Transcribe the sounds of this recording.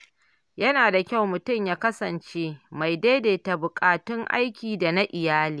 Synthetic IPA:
jɐ˦naː˨da˨kʲa˦˨wmʊ˨tʊ˦˨mjaː˦kɐ˦sɐ˨nt͡ʃeː˦ma˨jda˦jdeː˨ta˨bʊ˨kʼaː˨tɪ˦ŋʔa̰˦jkʲiː˨da˨na˦ʔɪ˨jaː˦liː˨˦˨

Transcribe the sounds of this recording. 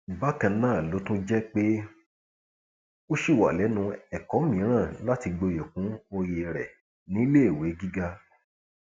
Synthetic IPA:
i˨ba˦kã˧nãː˦˨lo˨˦tũ˦d͡ʒɛ˦k͡pe˦ | o˦ʃi˦˨wa̰˨lɛ˨˦nũ˧ɛ˨kɔ˨˦mĩ˨˦ɾ̃ã˦˨la˦ti˧ɡ͡bo˧je˨kũ˨˦o˧je˧ɾɛ˨ | nĩ˨˦le˦e˦˨we˨˦ɡi˦ɡa˦

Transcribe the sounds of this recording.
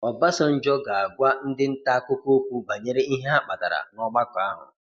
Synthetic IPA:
ɔ˨ba˦sɔ˦n̩˦d͡ʒɔ˦ɡa˨a˨ɡʷa˦n̩˦dɪ˦n̩˦ta˦ko˦ko˦kʷu˦ba˨ɲe˦ɾe˦i˦ɦe˦a˦k͡pa˨ta̰˨ɾa̰˨nɔ˦ɡ͡ba˦kʷa˦ɦʊ̰˨

